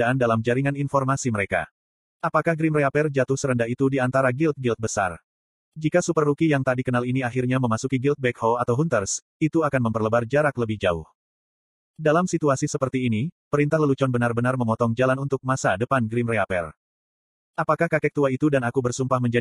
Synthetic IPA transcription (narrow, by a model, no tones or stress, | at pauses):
aandalamd͡ʒaɾiŋaninfɔrmasiməɾeka̰ | ʔapakahɡɾimreapɛrd͡ʒat̪ʊhsəɾəndaɦit̪udiant̪aɾaɡilt̪̚ɡilt̪̚bəsa̰r | d͡ʒikasupərːukijaŋt̪aʔdikənaliniaɦirɲaməmasukiɡilt̪̚bɛkhɔat̪awɦunt̪ərs | it̪uakanməmpərləbard͡ʒaɾakləbɪhd͡ʒaṵh | dalamsit̪uasisəpərt̪iːnipəɾint̪aɦləlut͡ʃɔnbənarbənarməmɔt̪ɔŋd͡ʒalanunt̪ʊk̚masadəpanɡɾimreapɛ̰r | ʔapakahkakɛk̚t̪uait̪udanakubərsumpahməɲd͡ʒa